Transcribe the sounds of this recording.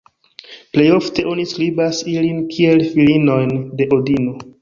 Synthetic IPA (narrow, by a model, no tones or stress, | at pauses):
ple̞jo̞fte̞ʔo̞niskɾibasilinkʰie̞lfilino̞jnde̞ʔo̞dino̞